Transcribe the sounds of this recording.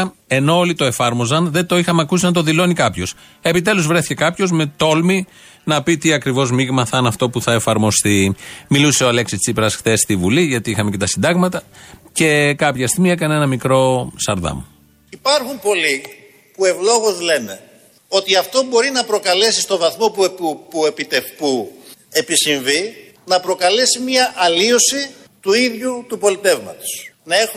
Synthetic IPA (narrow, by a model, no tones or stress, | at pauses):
e̞noolit̪o̞e̞fɐɾmo̞zɐnðe̞t̪o̞ixɐmeɐkusinɐnt̪o̞ðilo̞nikɐpço̞s | e̞pit̪e̞luzvɾe̞θi̥ce̞kɐpço̞zme̞t̪o̞lmi | nɐpit̪iɐkɾivo̞zmiɣmɐθɐnɐft̪o̞puθɐefɐɾmo̞st̪imiluse̞oɐle̞ksist͡sipɾɐsxθe̞st̪ivuliʝɐt̪iixɐmece̞t̪ɐsind̪ɐɣmɐt̪ɐce̞kɐpçɐst̪iɣmie̞kɐnee̞nɐmikɾo̞st̪ɐɾðɐ̰m | ipɐɾxumpo̞li | pue̞vlo̞ɣozle̞ne̞ | o̞t̪iɐft̪o̞bo̞ɾinɐpɾo̞kɐle̞sist̪o̞vɐθmo̞pupuepit̪efpue̞pisiɱvi | nɐpɾo̞kɐle̞simɲɐʔɐlio̞si | t̪uiðʝut̪upo̞lit̪e̞vmɐt̪o̥snɐe̞x